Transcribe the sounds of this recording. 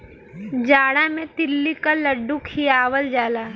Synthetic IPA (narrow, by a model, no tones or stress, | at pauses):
d͡ʒaːɽamẽt̪ɪlːikalɐɖːukʰiaːʋəld͡ʒaːlaː